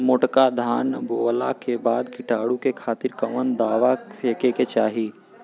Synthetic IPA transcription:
mʊʈkad̪ʱaːnɡoːlakebaːd̪kɪʈaːɽukekʰaːt̪ɪɾkəʋənd̪aːʋapʰeːkeket͡ʃaːɦiː

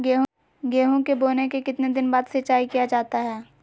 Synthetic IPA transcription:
ɡeːɦ | ɡeːɦõkeboːnekekɪt̪ned̪ɪnbaːd̪sɐt͡ʃaːikijad͡ʒaːt̪aɦɛː

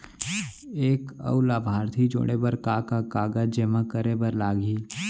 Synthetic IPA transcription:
eːkə̰ulaːbʱaːɾt̪ʰid͡ʒo̰ːɽ̃ebəɾkaːkakaːɡad͡ʒemãkəɾebəɾlaːɡiː

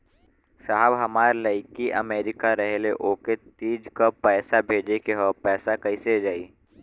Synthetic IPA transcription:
saɦbɦɐmaːɾlɐɪkiʔɐ̰meːɾɪkaɾɐɦleʔoːket̪iːd͡ʒkapɛːsabʱeːd͡ʒekeɦɔpɛːsakɐised͡ʒaːiː

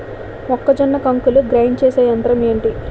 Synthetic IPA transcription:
ɔkːɐd͡ʒɐnːɐkɐŋkuluɡɾɐjɳɖt͡ʃeːsaːjɐnd̪ɐɾɐmeːɳʈi

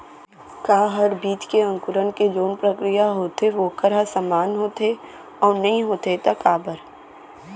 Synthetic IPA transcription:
kaːɦɐɾbiːt̪keɐ̃ŋkʊɾənked͡ʒoːnpɾəkɾijaɦoːt̪eʋoːkəɾasamaːnɦoːt̪e | ɔːɾnɐɦĩɦoːt̪et̪ɐkaːbəɾ

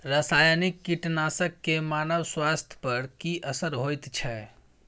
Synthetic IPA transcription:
ɾasajanikːiʈnasəkːemanəwswast̪ʰjpəɾkiʔəsəɾɦojt̪t͡ʃʰɛ

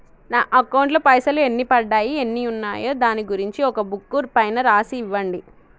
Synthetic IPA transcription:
naːʔɐkːɐwɳʈlɐpɐjsɐlue̞nːipɐɖːaːjie̞nːiunːaːjoːd̪aːniɡuɾiɲt͡ʃiɔkɐbukːuɾpɐjnɐɾaːsiːʋːɐɳɖi

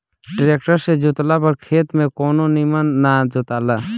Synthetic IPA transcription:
ɖɪɾeːkʈəɾsed͡ʒʊt̪lapɐɾkʰeːt̪mẽkoːnonimənːad͡ʒot̪aːla

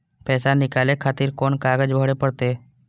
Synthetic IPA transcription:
pɛːsanɪkaːlekʰaːt̪iːɾkoːnkaːɡəd͡ʒbʱəɽepəɽt̪eː

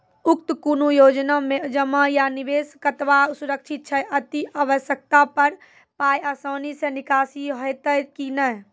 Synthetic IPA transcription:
ʊkt̪kunujoːd͡ʒnamẽd͡ʒəmajaniʋeːskət̪ʋasuɾəkt͡ʃʰɪt̪̚t͡ʃʰəʔət̪iaʋəʃjək̚t̪apəɾ | paːjasaːnisenɪkaːsiɦoet̪əkinə

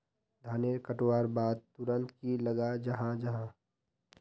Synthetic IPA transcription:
d̪ʱaːneɾkəʈwaːɾbaːd̪̚t̪ʊɾə̃nt̪kiləɡad͡ʒɐɦãd͡ʒɐɦã

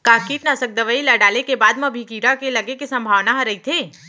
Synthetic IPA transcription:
kaːkiːʈnasək̚d̪əʋəilaɖaːlekebaːd̪mɐ̃bʱikiːɾakelɐɡekesɐ̃mbʱaːʋnaɦɐɾɐit̪ʰeː

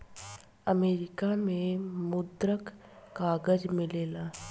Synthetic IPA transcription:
əmeːɾɪkamẽmʊd̪ɾəkː | aːɡəd͡ʒmɪleːlaː

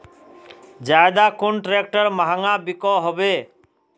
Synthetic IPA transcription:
d͡ʒaed̪akonʈɾek̚ʈəɾmaɦaŋabikɔɦɔbe

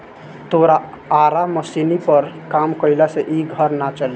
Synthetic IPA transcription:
t̪oːɾa | aːɾaməsinipəɾkaːmkəɪlaseʔiːɡʱəɾnat͡ʃəle

